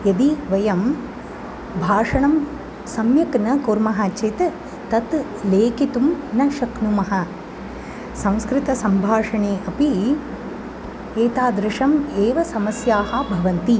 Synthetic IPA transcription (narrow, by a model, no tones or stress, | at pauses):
jɐd̪iʋɐjɐm | bʱaːʂɐɳɐm | sɐmjɐknɐkoːɾmɐɦaːt͡ʃet̪ | t̪ɐt̪ | leːkit̪umnɐʃɐknumɐɦɐ | sɐ̃w̃skɾɪt̪ɐsɐmbʱaːʂɐɳeːʔɐpi | eːt̪aːd̪ɾɪʂɐmeːʋɐsɐmɐsjaːɦɐ̆bʱɐʋɐnt̪i